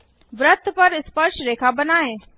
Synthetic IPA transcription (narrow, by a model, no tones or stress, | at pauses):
ʋɾət̪ʰpəɾɪspəɾʃɾeːkʰabənaːeː